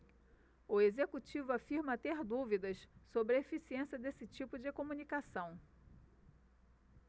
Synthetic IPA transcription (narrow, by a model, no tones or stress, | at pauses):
ʊezekut͡ʃivʊafiɾmɐt̪eɾd̪uvid̪ɐssobɾefisiẽsiɐd̪esɪt͡ʃipʊd͡ʒɪkomũnikasɐ̃w̃